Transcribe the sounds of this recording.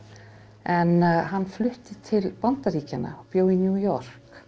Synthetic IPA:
ɛnɦanːflʏht̪ɪt̪ʰɪlpant̪aɾiːcɪna̰pjoːwinjuːjɔr̥k

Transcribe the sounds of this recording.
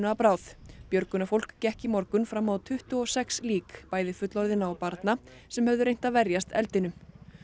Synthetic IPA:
napɾaːwθpjœɾkʏnafowl̥kcɛhcimɔɾkʏnfɾamːawt̪ʰʏht̪ʏɔsɛksliːkpaːjðɪfʏt̪lɔɾðɪnaːwpaɾt̪na | sɛmhœvðʏɾejn̥t̪aðvɛɾjast̪ɛlt̪ɪnʏm

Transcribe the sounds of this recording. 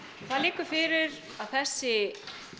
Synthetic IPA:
kʰθaðliːkʏɾfɪɾɪɾ | aðθɛsːɪ

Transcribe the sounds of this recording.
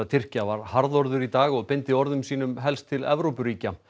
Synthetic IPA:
at̪ʰɪr̥cavaɾhaɾðɔɾðʏɾit̪aːɣɔɣpɪnt̪ɪɔɾðʏmsiːn̪ʏmɦɛlst̪ʰːɪlɛ̰vɾowpʏɾiːca

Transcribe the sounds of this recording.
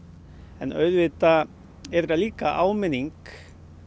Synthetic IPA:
ɛnœ̰ɥðvɪt̪a | ɛɾɾaliːkaʔaːwmɪniŋk

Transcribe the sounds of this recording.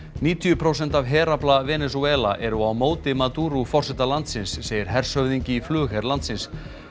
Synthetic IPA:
niːt̪ʰijʏpʰɾoːws̬ɛn̥t̪avɦɛːɾaplavɛːnɛsuɛːla̰ʔɛɾʏawmoːwt̪ɪmat̪uːɾufɔr̥sɛt̪alant̪sɪnsːeːjɪɾ̥ɦɛr̥sœɥðiɲcɪiflʏːxɛɾlant̪sɪns

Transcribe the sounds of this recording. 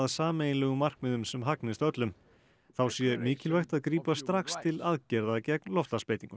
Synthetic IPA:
ðsaːmejnlɛɣʏmːar̥kmɪðʏmsɛmɦaknɪst̪œt̪lʏm | θawsjɛmɪːcɪlvajht̪aðkɾiːpast̪ɾaxst̪ʰɪlaðcɛɾðacɛk̚nlɔft̪laspeːjt̪iŋkʏ

